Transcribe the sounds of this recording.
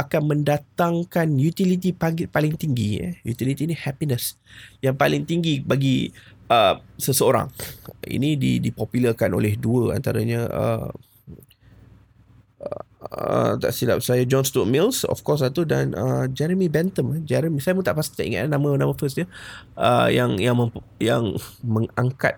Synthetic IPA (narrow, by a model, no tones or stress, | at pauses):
akanmə̃ndat̪aŋkanjut̪ilit̪̬ipapaliŋt̪iŋɡḭjut̪ilit̪iːnihɛpinəsjaŋpalɪŋt̪iŋɡibaɡi | əsəsəoɾa̰ŋḭnidḭdipɔpjuləkano̰lɛhduəa̰nt̪aɾaɲəʔə̰ | ə̰t̪a̰ʔsida̰p̚sajad͡ʒɔnst̪ut̚milsɔ̰fkɔs̬at̪uda̰nʔəd͡ʒɛɾəmibɛnt̪əmd͡ʒɛɾəmisajəmət̪aʔpast̪i̥t̪aʔḭŋa̰t̪anːamə̃namə̃fəsɲəə̰jaŋjaŋməjaŋməŋaŋka̰t̪̚